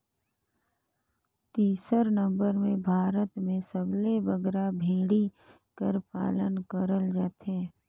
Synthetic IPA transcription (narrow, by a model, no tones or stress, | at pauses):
t̪iːsəɾnə̃mbəɾmẽbʱaːɾət̪mẽsəblebəɡɾabʱĩːɽi | kəɾpa̰ːlənkəɾəld͡ʒaːt̪eː